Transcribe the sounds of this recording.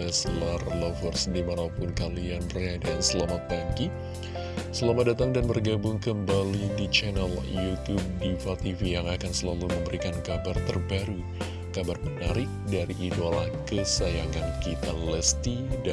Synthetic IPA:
ɛslarlɔfərsdimanapʊnkalianəradansəlamaaŋki | səlamat̪̚dat̪aŋdanbərɡabʊŋkəmbalidit͡ʃɛnɛljut̪ub̚difat̪ifijaŋakansəlaluməmbəɾikankabart̪ərbaɾu | kabarmənaɾɪk̚daɾiʔːdolahkəsajaŋankit̪a̰ləst̪id

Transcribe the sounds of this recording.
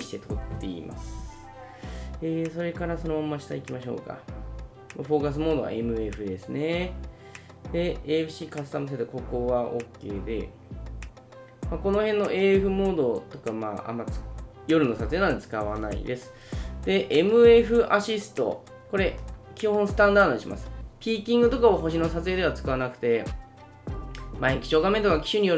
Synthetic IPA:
ɕi̥t̪e̞t̪ʰo̞t̪ːe̞ḭma̰sɨ̥ | eːso̞ɾe̞kaɾaso̞nomamːaɕi̥t̪aikʲimaɕo̞̰ːka̰ | maɸo̞ːkas̬ɨmoːd̪o̞a̰e̞mɯ̟e̞ɸɯ̟d̪e̞sɨne̞ | d̪̥e̞ebɯ̟ɕiːkasɨ̥t̪amɯs̬et̪oko̞ko̞βaʔokːe̞ːd̪e̞̰ | mako̞no̞hẽ̞nːo̞ʔe̞ːɸɯ̟mo̞ːd̪o̞t̪o̞kama̰ːa̰mːat͡s | jo̞ɾɯ̟no̞sat͡sɨenãnd̪et͡sɨ̥kaβanaḭd̪e̞sɨ̥ | d̪e̞ʔemɯ̟e̞ɸɯ̟ʔaɕisɨ̥t̪o̞̰ | ko̞ɾe̞kʲiɦõɰ̃sɨ̥t̪ãnd̪aːd̪oɲiɕima̰sɨ̥pʲiːkʲĩŋɡɯ̟t̪o̞kaoɦo̞ɕino̞sat͡sɨed̪e̞βat͡sɨ̥kaβanakɯ̟̥t̪e̞ | maekʲi̥t͡ɕo̞ːɡame̞nt̪okakʲi̥ɕɨɲ̟ijo

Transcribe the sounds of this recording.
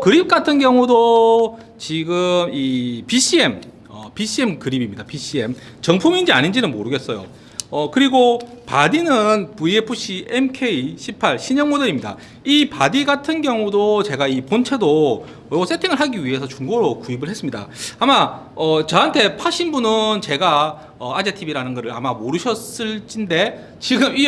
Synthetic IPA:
kɯɾip̚k͈atʰɯnɡjʌŋudo | t͡ɕiɡɯmipiɕ͈ʰie̞m | ʌ̰piɕʰie̞mkɯɾibimɲidapiɕ͈ʰie̞m | t͡ɕʌŋpʰumind͡ʑia̰ɲind͡ʑinɯnmoɾɯɡe̞ts͈ʌjo̰ | ʌkɯɾiɡopadinɯnpuiepʰuɕ͈ʰiemkʰe̞iɕʰipʰaɭɕʰiɲʌŋmodɯɾimɲida̰ | ipadiɡatʰɯnɡjʌŋudot͡ɕe̞ɡaipont͡ɕʰe̞do | os͈ʰetʰeŋɯɭɦaɡiɥiɦe̞sʰʌt͡ɕuŋɡoɾokuibɯɭɦes͈ɯmɲida̰amaʌt͡ɕʌɦantʰe̞pʰaɕ͈ʰinbunɯnt͡ɕe̞ɡa | ʌad͡ʑetʰibiɾanɯnɡʌɾɯɾa̰mamoɾɯɕʰʌs͈ɯɭt͡ɕ͈inde̞ | t͡ɕiɡɯmi

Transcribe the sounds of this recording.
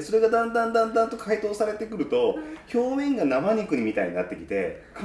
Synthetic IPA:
so̞ɾe̞ɡad̪ãnd̪ãnd̪ãnd̪ãnt̪o̞kʰait̪o̞ːsaɾe̞t̪e̞kɯ̟ɾɯ̟t̪o̞ço̞ːmẽ̞ŋɡanamaɲ̟ikɯ̟ɲ̟imʲit̪a̰ḭɲ̟ina̰t̪ːe̞kʲi̥t̪e̞̰ka

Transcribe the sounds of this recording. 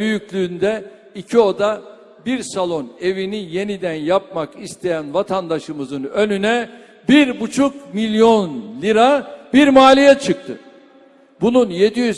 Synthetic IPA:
yjyclʲyːnd̪ɛ | icʰio̞d̪a | biɾsalˠo̞ne̞vinije̞nid̪ænjap̚makist̪ʰe̞jænvat̪ʰand̪aʃɯmɯzɯnø̞nynɛ | biɾbut͡ʃʰukmilʲjo̞nlʲiɾabiɾmaːlʲijɛt͡ʃʰɯk̚t̪ʰɯ̰ | bununje̞d̪ijyz

